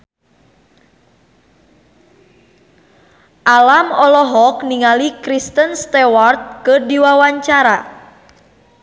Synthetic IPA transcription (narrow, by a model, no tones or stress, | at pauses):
ʔalamɔlɔɦɔkniŋalikɾist̪ənst̪ɛwart̪̚kədiwawaɲt͡ʃaɾa